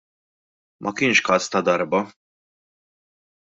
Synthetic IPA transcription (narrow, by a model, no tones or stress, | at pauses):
mʔɐkɪnʃkɐːst̪ɐd̪ɐɾbɐ